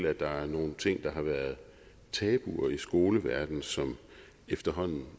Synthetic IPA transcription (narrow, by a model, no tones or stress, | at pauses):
l̰æd̥ɑ̈æɐno̝ːn̩t͡sʰe̝ŋ̰d̥ɑ̈ɦɑ̈ʋæɐð̞̩ˠ | t͡sʰɛːb̥uɐisɡ̥o̝ːləʋæɐd̥n̩sɒ̽m | efd̥ɐɦɒ̽n̰n̩